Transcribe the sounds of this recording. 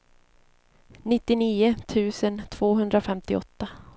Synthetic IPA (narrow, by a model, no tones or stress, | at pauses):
nɪt̪ːɪniːʊt̪ʰʉ̟ːsənt̪ʰv̥oːɦɵnd̪ɾafɛmt̪ɪɔt̪ːa